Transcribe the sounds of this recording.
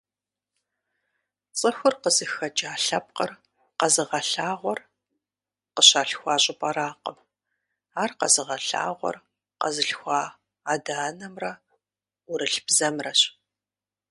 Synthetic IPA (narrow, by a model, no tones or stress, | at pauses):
t͡sʼɨxʷʊrqəzɨxɐd͡ʒʼaːɬɐp̚qər | qɐzɨʁɐɬaːʁʷɔr | qəɕaːɬxʷɑːɕʼɪpʼɐɾaːqəm | aːrqɐ̰zɨʁɐɬa̰ːʁʷɔ̰r | qɐ̰zɨɬxʷɑː | aːdaːnɐmrɐ | ʊɾɨɬb̥zɐmrɐɕ